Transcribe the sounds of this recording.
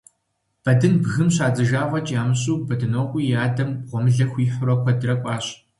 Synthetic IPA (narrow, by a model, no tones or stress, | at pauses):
b̥ɐdɨnbɣɨmɕaːzɨʒaːʁɐt͡ʃʼaːmɨɕ̬ʼuːbɐdɨnoːqʷʼiːjaːdɐmʁʷɔmɨɮɐxʷiːħʊɾɐkʷʰɐdɨrɐkʷʼɑːɕ